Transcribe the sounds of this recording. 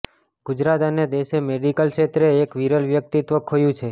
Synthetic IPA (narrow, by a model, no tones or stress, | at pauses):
ɡʊd͡ʒɾat̪əned̪eʃemeɖikəlket̪ɾeːkʋiɾəlʋjək̚t̪it̪ʋəkʰojũt͡ʃʰe